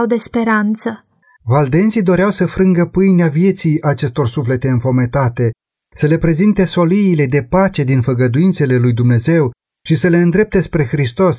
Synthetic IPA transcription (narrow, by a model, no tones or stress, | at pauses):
wd̪e̞spe̞ɾant̪sə | vald̪e̞nt̪sid̪o̞ɾeawsəfɾɨŋɡəpɨjneavje̞t̪sijʔat͡ʃe̞st̪o̞rsufle̞t̪e̞ɨnfo̞me̞t̪at̪e̞ | səle̞pɾe̞zint̪e̞so̞liːle̞d̪e̞pat͡ʃe̞d̪infəɡəd̪uint̪se̞le̞lujd̪umne̞ze̞w | ʃisəle̞ɨnd̪ɾe̞p̚t̪e̞spɾe̞xɾist̪o̞s